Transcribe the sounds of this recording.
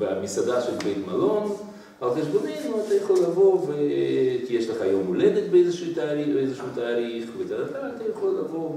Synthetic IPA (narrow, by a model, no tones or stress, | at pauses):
beamisad̪aʃelbejt̪malon | alχeʃ̬bonilmat̪ajaχo̞lːavo̞vejeʃleχaːjomːoled̪et̪beejzeʃiːt̪aːɾibeejzeʃuːt̪aːɾiχbet͡sad̪apaɾat̪ajaχo̞lːavo̞